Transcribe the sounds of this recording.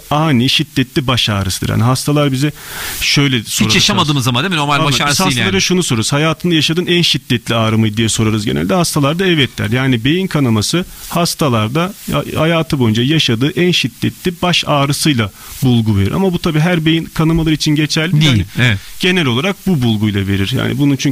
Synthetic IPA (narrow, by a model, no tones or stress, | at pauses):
aːniʃid̪ːɛt̪lʲibaʃaːɾɯsɯd̪ɯ̰ɾha̰niɦast̪ʰalˠaɾbizɛʃø̞jlʲɛsoiɾajaʃamad̪ɯːmɯzamand̪eminoɾmalʲb̪hast̪ːˠaɾaʃunuso̞ɾuɾuzhajaːt̪ʰɯnd̪ajaʃad̪ɯːnænʃid̪ːɛt̪lʲiaːɾɯmɯd̪ijɛso̞ɾaɾɯzɟʲenʔlʲd̪ɛhast̪ʰalˠaɾd̪aɛvɛt̪ʰlʲæ̰ɾjaːnibe̞jinkʰanamasɯhast̪ʰalˠaɾd̪a̰hajaːt̪ʰɯbo̞jund͡ʒajaʃad̪ɯːʔænʃid̪̥ːɛt̪lʲibaʃaːɾɯsɯjlˠa | bulˠɡuve̞ɾḭɾa̰mabut̪ʰabiːɦæɾbe̞jinkʰanamalˠɯɾit͡ʃʰinɟe̞t͡ʃʰælʲːiinɛɟ̥e̞nɛlʲo̞lˠaɾak̚bubulˠɡujlˠave̞ɾiɾja̰ːnḭbununt͡ʃʰy